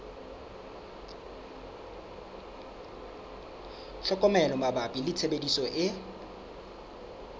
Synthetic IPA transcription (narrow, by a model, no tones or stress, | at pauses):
ɬɔkʼɔmɛlɔmabapʼilɪt͡sʰebedisɔʔɪ